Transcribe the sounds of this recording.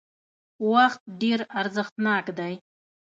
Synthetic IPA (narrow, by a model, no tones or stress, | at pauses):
waxt̪̚ɖeɾaɾzəxt̪nɑkd̪aj